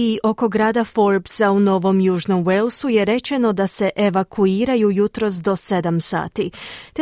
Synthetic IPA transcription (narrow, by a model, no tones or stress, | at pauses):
iʔo̞ko̞ɡɾaːd̪afo̞ɾpsauno̞ʋo̞mjuːʒno̞mwe̞lˠsuje̞ɾe̞t͡ʃe̞no̞d̪ase̞ʔeʋakʰuiːɾajujut̪ɾo̞sd̪o̞se̞d̪amsa̰ːt̪it̪